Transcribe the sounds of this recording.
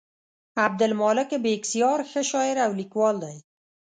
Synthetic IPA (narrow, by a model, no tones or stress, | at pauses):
ab̚d̪ɪlmɔːlɪkebeksijɒːɾxəʃɒːjɪɾawlikwɒld̪aj